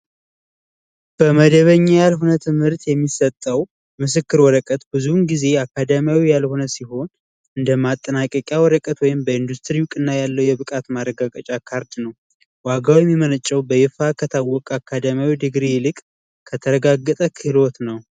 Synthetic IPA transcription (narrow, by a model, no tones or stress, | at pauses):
b̥əməd̪əβəɲːajalɦonət̪ʰɨmhɨɾt̪jɛmːisət̪ʼːəw | mɨs̬ɨkːɨɾwɔɾəkʼət̪bɨzunɡize̞akːad̪əmjawijalho̞nəsiɦo̞n | ɨnd̪əmat̪ʼːənakʼəkʼjawɔɾəkʼət̪wɔjɪmbəɨnd̪ust̪ʰɾiwʊkʼɨnːajalːəwjɛβɨkʼat̪maɾəɡakʼət͡ʃʼakʰːaɾd̪nəw | waɡawijɛmːimənət͡ʃʼːɛwbəjɪfakʰət̪ʰawːɔkʼakːad̪əmjawid̪ɨɡɾijlɨkʼ | kʰət̪ʰəɾəɡaɡːət̪ʼəkʰɨlot̪nəw